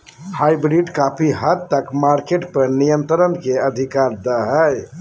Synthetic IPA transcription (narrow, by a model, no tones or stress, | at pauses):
hajbɾiɖkapʰiɦət̪t̪əkmaɾkeʈpəɾnijənt̪ɾənkeəd̪ʱikaɾd̪əɦəj